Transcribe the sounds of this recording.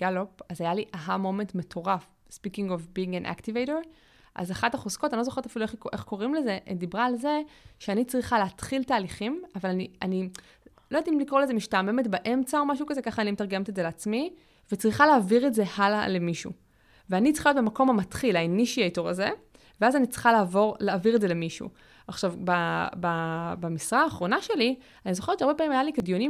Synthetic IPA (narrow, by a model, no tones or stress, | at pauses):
ɡ̥alopazajaliʔaɦamo̞mentme̞tʰo̞ʁaf | spikiŋɡofbiĩŋɡanʔa̰ktivejɾoʁi | ʔa̰zaχataχoskotanilozoχt̪afilueχʔeχko̞ʁimle̞ze̞ʔed̪ibʁaːlze̞ʃeanit͡sʁiχaleat̪χiltaːliχimavalania̰ni | lojad̪imlikʁoleze̞miʃtame̞metbaʔe̞mt͡sao̞maʃukazekaχaːnimetaʁɡemetezeleat͡smi | vet͡sʁiχaleːviʁetze̞hala̰le̞miʃṵ | veanitt͡sʁiχajot̪̚bemako̞mamat̪χilajniʃiajtoʁaze | veazanit͡si̥χalaːvo̞ʁlaːviʁetze̞le̞miʃṵ | aχʃavbababamisʁaːχʁo̞naʃe̞li | anizoχett͡ʃeaɐʁbepaːmimajalikeɡjoni